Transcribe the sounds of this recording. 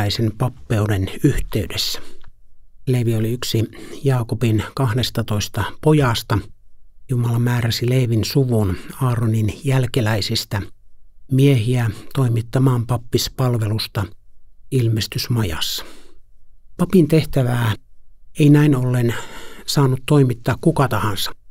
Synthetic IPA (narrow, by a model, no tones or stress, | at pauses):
æisempɑpːeudenyht̪eydesːæ̥ | leːʋioliyksijɑːkopinkɑhdest̪ɑt̪oist̪ɑpojɑst̪ɑjumɑlɑmæːræsileːʋinsuʋunɑːroninjælkelæisist̪æ | miehiæt̪oimit̪ːɑmɑːmpɑpːispɑlʋelust̪ɑ | ilmest̪ysmɑjɑ̰sːɑ̥ | pɑpint̪eht̪æʋæː | einæinolːensɑːnut̪toimit̪ːɑːkkukɑt̪ɑhɑnsɑ̥